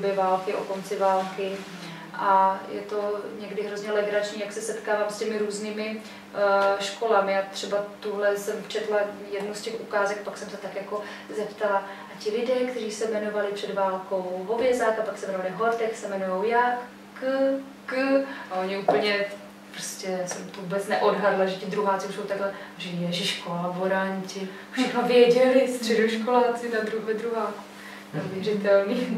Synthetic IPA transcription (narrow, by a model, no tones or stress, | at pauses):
bjɛvaːlkɪʔo̰ko̞nt͡sɪvaːlkɪ | ʔajɛ̰t̪o̞ɲɛɡdɪɦɾozɲɛlɛɡɾat͡ʃɲiːjaksɛsɛt̪kaːvaːmscɛmɪɾuːzniːmɪ | ʃko̞lamɪat̪r̝̥ɛbat̪uɦlɛsɛmt͡ʃɛt̪lajɛdnuscɛxʔukaːzɛk̚paksɛmsɛt̪akjako̞ | zɛpt̪ala | acɪlɪdɛːkt̪ɛriːsɛmɛno̞valɪpr̥ɛdvaːlko̞wɦovjɛzakapaksɛmɛnovalɪvɦoɾt̪ɛxsɛmɛnujowjak | kə | kəaoɲɪuːpl̩ɲɛ | pɾoscɛsɛmt̪ovubɛt͡snɛʔo̞dɦadlaʒɛcɪd̪ɾuɦaːt͡sɪuʃsowt̪aɡlɛ | ʒɛjɛʒɪʃkoavoɾaɲcɪ | fʃɛxnovjɛɟɛlɪst̪r̝̥ɛdoʃkolaːt͡sɪnad̪ɾuɦɛd̪ɾuɦaːk | nɛuvjɛrɪt̪ɛlniː